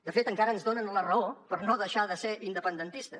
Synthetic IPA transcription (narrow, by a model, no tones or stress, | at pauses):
d̪əfet̪əŋkaɾəːnzðonənlərəopəɾnoðəʃaðəseɾʔind̪əpənd̪ənt̪ist̪ə